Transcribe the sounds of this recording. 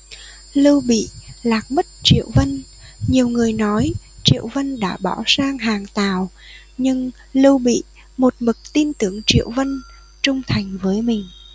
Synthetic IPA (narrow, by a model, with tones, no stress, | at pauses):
lɨ˧wɓḭ˧˨laː˨˩k̚mə˦˥t̚t͡ɕḭ˧˨əwvə˧n | ɲi˨˩əwŋɨ˨˩əjnɔ˨˦jt͡ɕḭ˧˨əwvə˧nɗa̰ː˧˥ɓɔ˧˩saː˧ŋɦaː˨˩ŋt̪aː˨˩w | ɲɨ˧ŋ | lɨ˧wɓḭ˧˨ | mo˨˩t̚mɨ˨˩k̚t̪i˧nt̪ɨ˨˧˩əŋt͡ɕḭ˧˨əwvə˧n | t͡ɕʊ˧ŋ͡mt̪ʰa˨˩jŋ̟vəː˨˦jmï˨˩ŋ̟